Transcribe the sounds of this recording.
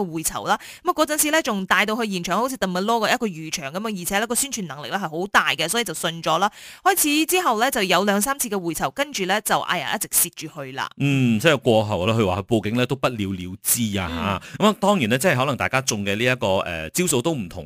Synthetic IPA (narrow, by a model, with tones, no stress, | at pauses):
ɔ˧wuː˨jt͡sʰɐ̰˨˩wlaː˥ | kɐ˦ma˨˩kɔː˧t͡sɐ˨nt͡sʰiː˨˧lɛ˥t͡sʊ˨ŋt̪aː˧jt̪o˧whɵ˧jiː˨˩nt͡ʃʰœː˨˩ŋho˧˥wt͡sʰiː˧t̪ɐ˨˩ŋmɐ˨˩lɔː˥kɔː˧jɐ˥kɔː˧jyː˨˩t͡ʃʰœː˨˩ŋkɐ˨˦mjœː˧˥ŋji˨˩ɛ˨˦lɛ˥kɔː˧syː˥nt͡ʃʰyː˨˩nɐ˨˩ŋlɪ˨k̚lɛː˥hɐ˨jho˨˥wt̪aː˨jkɛ˧sɔː˨˥iː˨˩t͡sɐ˨wsɵ˧nt͡ʃɔː˨˥laː˥hɔː˥jt͡sʰiː˨˥t͡siː˥ɦɐ˨wlɛː˥t͡sɐ˨wjɐ˨˧wlœː˨˧ŋsaː˥mt͡sʰi˧kɛ˧wuː˨jt͡sʰɐ˨˩wkɐ˥nt͡ʃyː˨˩lɛ˥t͡sɐ˨wʔa̰ː˧ja̰˨˩ʔjɐ˥t͡sɪ˨k̚siː˧t̚t͡ʃyː˨˩hɵ˧ɥla̰ː˧n̩˨˩t͡sɛ˥˩jkʷɔː˧ɦɐ˨˩wlaː˥hɵ˧ɥwaː˨˩ɵ˧ɥpo˧kɪ˨˥ŋlɛː˥t̪o˥wpɐ˥t̚liː˨˧wliː˨˧wt͡siː˥a̰ː˧ɦa̰ː˨˦kɐ˦˥ma˨t̪ɔː˥ŋjiː˨˩nɛː˥t͡sɐ˥hɦɔ˨˥lɐ˨˩ŋt̪aː˨jkaː˥t͡sʊ˨˧ŋkɛ˧liː˥jɐ˥t̚kɔː˧ʔɛ̰ː˨t͡siː˥wso˧wt̪o˥wm̩˨˩t̪ʰʊ˨˩ŋ